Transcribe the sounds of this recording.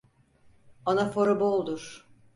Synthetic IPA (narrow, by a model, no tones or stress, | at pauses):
anafoɾobolˠd̪uɾ̥